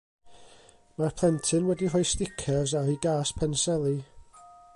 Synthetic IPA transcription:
marpʰl̥ˠɛntʰɨnwɛdiɦɔjstɪkʰɛzaɾiɡaːspʰɛnsɛlˠi

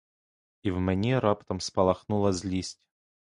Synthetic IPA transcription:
ivmnʲeɾapt̪əmspɐlˠɐxnulˠəzʲlʲisʲtʲ

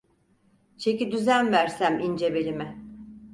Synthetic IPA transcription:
t͡ʃʰe̞cid̪yzænvæɾsæmind͡ʒe̞be̞lʲimɛ

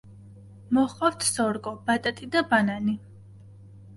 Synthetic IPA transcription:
mɔχʼaft̪ʰsɔɾɡʼɔbat̪ʼat̪ʼid̪abanani

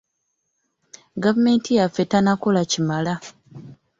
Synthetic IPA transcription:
ɡavume̞ːntijafːe̞tanako̞lacimala

